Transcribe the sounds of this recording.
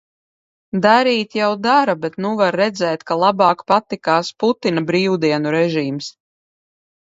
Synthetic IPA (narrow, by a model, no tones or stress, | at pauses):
d̪aɾiːt̪jawd̪aɾabet̪nuvaɾːɛd̪zɛːt̪kalˠabɑːkpat̪ːikaːsput̪inabɾiːwd̪iɛnuɾɛʒiːms